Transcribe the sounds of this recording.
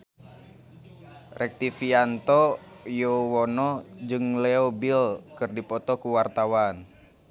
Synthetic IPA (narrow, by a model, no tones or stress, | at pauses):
rɛk̚t̪ifiant̪ɔjowɔnɔd͡ʒɨŋlɛobilkɨrdipɔt̪ɔkuwart̪awan